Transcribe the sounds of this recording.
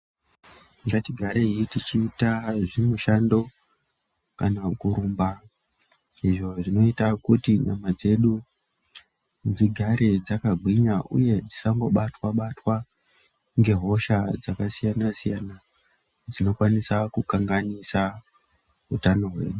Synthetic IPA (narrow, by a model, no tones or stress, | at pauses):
ŋɡatiɡʱaɾeijitit͡ʃiːtaʐimuʃando̞ | kanaukuɾuːmba | iʐo̞ʐino̞itakutiɲa̰mad͡ze̞ɗu | d͡ziɡʱaɾe̞d͡zakaɡʱwiɲaʔṵje̞d͡zisaŋɡo̞ɓatwaɓatwa | ŋɡe̞ɦo̞ʃad͡zakasijanasijana | d͡zino̞kwanisakukaŋɡanisa | ɦutano̞ɦwe̞̰ːɗu